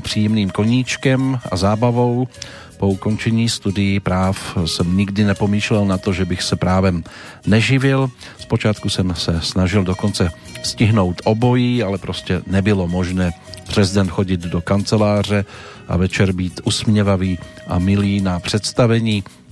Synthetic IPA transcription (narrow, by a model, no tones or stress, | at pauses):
pr̝̥iːjɛmniːmko̞ɲiːt͡ʃkɛmʔa̰zaːbavo̞w | po̞uko̞nt͡ʃɛɲiːst̪udɪjɪpɾaːfsɛmɲɪɡdɪnɛpo̞miːʃlɛlnat̪o̞ʒɛbɪxsɛpɾaːvɛm | nɛʒɪvɪl | spo̞t͡ʃaːt̪kusɛmsɛsnaʒɪldoko̞nt͡sɛ | scɪɦno̞wt̪ʔobo̞jiːalɛpɾo̞scɛnɛbɪlo̞mo̞ʒnɛː | pr̥ɛzɪdɛnt̪xo̞ɟɪd̪do̞kant͡sɛlaːr̝ɛʔa̰vɛt͡ʃɛɾbiːt̪ʔusmɲɛvaviːʔa̰mɪliːnapr̝̥ɛt̪st̪avɛɲiː